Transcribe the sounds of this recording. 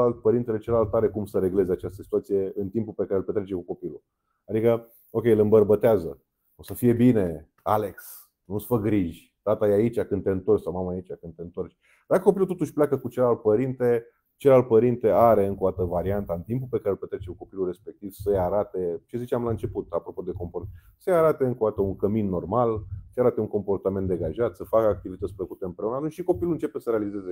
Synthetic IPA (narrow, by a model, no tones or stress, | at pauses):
alt̪̚pəɾint̪ele̞t͡ʃelalt̪aɾe̞kumsəɾe̞ɡle̞ze̞at͡ʃast̪əsi̥t̪uat̪sije̞ɨnt̪impulpekaɾelpet̪ɾet͡ʃe̞kuko̞pilṵ | ad̪ikə | o̞kʲejlɨmbərbət̪eazə | osəfije̞bine̞ | ale̞ks | nusfək̚ɡɾiʒʲ | t̪at̪ajeait͡ʃʲakɨnd̪̚t̪eɨnt̪o̞rt͡ʃʲsawmamaːit͡ʃakɨnd̪t̪e̞ɨnt̪o̞rt͡ʃʲ | d̪akəko̞pilut̪o̞t̪uʃʲpleakəkut͡ʃelalt̪̚pəɾint̪e̞ | t͡ʃelal̚pəɾint̪e̞aɾe̞ɨŋkoat̪əvaɾiant̪aɨnt̪impulpe̞kaɾelpet̪ɾet͡ʃekuko̞pilure̞spe̞k̚t̪iv̥səjaɾat̪e̞t͡ʃe̞zit͡ʃamlaɨnt͡ʃe̞put̪apɾo̞po̞d̪e̞ko̞mport̪səjaɾat̪e̞ɨŋkoat̪əuŋkəminːo̞rmalsəjaɾat̪euŋko̞mpo̞rt̪ament̪d̪eɡaʒat̪səfakəak̚t̪ivit̪ət̪sʲpləkut̪e̞ɨmpɾe̞unəat̪unt͡ʃʃiko̞piluɨnt͡ʃe̞pesəɾealize̞ze